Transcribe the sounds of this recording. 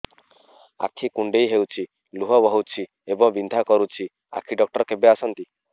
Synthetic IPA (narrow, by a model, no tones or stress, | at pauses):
a̰kʰikuɳɖejɦewt͡ʃʰi | luɦɔbɔɦuwt͡ʃʰi | ebɔŋbind̪ʱakɔɾut͡ʃʰi | a̰kʰiɖɔk̚ʈɔɾkebeasɔnt̪i